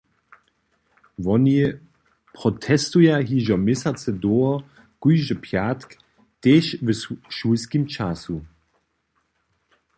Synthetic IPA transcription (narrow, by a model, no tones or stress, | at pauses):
vɔni | pʁɔtʰɛstujaɦiʒɔmɪsat͡sɛdoɔ | kujʒəpʰjatk | teːʃvəʃuskimt͡ʃasu